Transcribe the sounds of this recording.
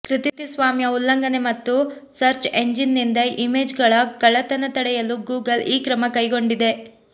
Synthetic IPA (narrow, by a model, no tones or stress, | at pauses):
kɾit̪it̪isʋaːmjɐulːɐŋɡɐne̞mɐt̪ːu | sɐɾt͡ʃeɲd͡ʒinːind̪ɐʔime̞ːd͡ʒɡɐɭɐkɐɭɐt̪ɐnɐt̪ɐɽɛjɐluɡuːɡɐliːkɾɐmɐkɐjɡo̞ɳɖid̪e̞